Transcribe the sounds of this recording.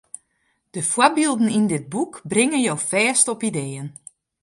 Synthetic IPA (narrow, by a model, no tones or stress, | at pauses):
d̥əfwabilˠdn̩indɪt̚bukbrɪŋənjowfɛːstɔpideːən